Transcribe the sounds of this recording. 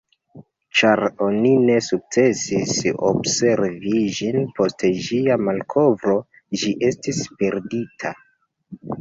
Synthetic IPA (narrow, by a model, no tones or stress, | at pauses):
t͡ʃaɾo̞nine̞suk̚t͡se̞siso̰bse̞ɾvid͡ʒinpʰo̞steʒiamalkʰo̞vɾo̞ | d͡ʒiʔe̞stispe̞ɾditʰa